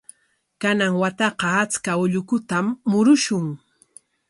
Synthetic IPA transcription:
kanaŋwat̪ɑqɑat͡skaʊʎʊkʊt̪amːʊɾʊʃʊŋ

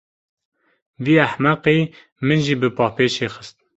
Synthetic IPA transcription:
viːæħmæqiː | mɨnʒiːbɨpɑːpeːʃeːxəst̪̚

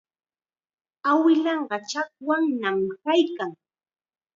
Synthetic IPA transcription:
awɪlɑɴɢɑt͡ʃak̚waŋnamkajkaŋ

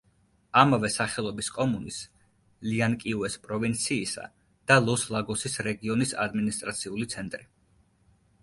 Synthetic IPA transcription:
amavɛsaχɛlˠɔbiskʼɔmunis | liankʼiuɛspʼɾɔvint̪sʰiːsa̰ | d̪̥alˠɔslˠaɡɔsisɾɛɡiɔnisa̰d̪minist̪ʼɾat̪sʰiulit̪sʰɛnt̪ʼɾi

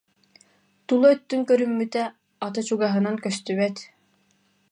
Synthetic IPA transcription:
t̪ulˠɔœt̪ːyŋkœɾymːyt̪ɛ | at̪ɯt͡ɕuɡaɦɯ̆naŋkœst̪yβɛt̪

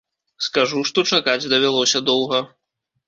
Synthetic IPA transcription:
skaʐuʂt̪ɔt͡ʂakad͡zʲd̪ɐvʲalˠɔsʲɐd̪ɔwɣɐ

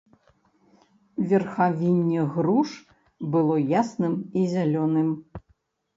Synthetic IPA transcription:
vʲɛrxavʲinʲːɛɣɾuʂ | bɨlˠɔjasnɨmizʲalʲɔnɨm

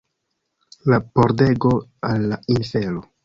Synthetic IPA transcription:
lapoɾde̞ɡo̞alːainfe̞lo

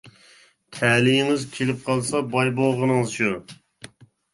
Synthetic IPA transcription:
t̪ʰælijɪŋɪzkʲʰelɪp̚qʰɑlˠsɑbɑjboʁənɨŋɨzʃu

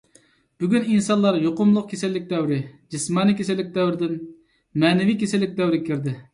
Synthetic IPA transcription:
b̥yɡʲyninsɑnlˠɑɾjoqʊmlˠʊq̚kʲʰesɪlːɪk̚ʲd̪ɛwɾɪd͡ʒismɑnɨkʲʰesɪlːɪkʲd̪ɛwɾɪd̪ɪn | mɛːnɪvikʲesɪlːɪk̚ʲd̪ɛwɾɪkʲʰiɾd̪ɪ

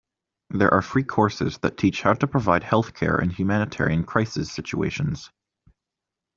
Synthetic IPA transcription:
ðə˞ʔə˞fɹiːkʰɔɹsɪ̰zðə̰tʰit͡ʃhaʊɾəpʰɹ̥əvaɪd̚hɛlˠθkʰɛ̰ɹʔɪ̰̃nhjʉmæñɨtʰɛ̰ɹiɨ̃nkʰɹ̥aɪsɪsɪt͡ʃuḛɪʃə̃nz̥

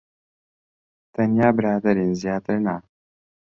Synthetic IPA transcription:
t̪ɐnijaːbɪɾaːd̪ɐɾinzijaːt̪ɐɾna

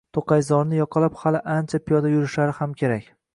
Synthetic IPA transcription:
t̪ʰoqɑjzɒɾnɪjɒqʰɑlaphalɪʔant͡ʃʰapʰijɒd̪ajʊɾɪʃaɾɪhamkʲʰe̞ɾakʲ

